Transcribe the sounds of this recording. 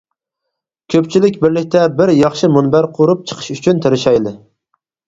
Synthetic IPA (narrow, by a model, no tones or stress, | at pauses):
kʲʰøpt͡ʃʰilɪkʲbɪɾlɪk̚ʲt̪ʰɛbɪɾjɑχʃɨmunbæɾqʰoɾup̚t͡ʃʰə̥qʰə̥ʃyt͡ʃʰynt̪ʰeɾɪʃɛjlɪ